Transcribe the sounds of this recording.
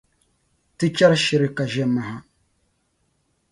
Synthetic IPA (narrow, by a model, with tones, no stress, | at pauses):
tɨ˦t͡ʃa˦ɾʃi˦ɾi˦ka˨ʒɛ˦mːa˨ɦa˦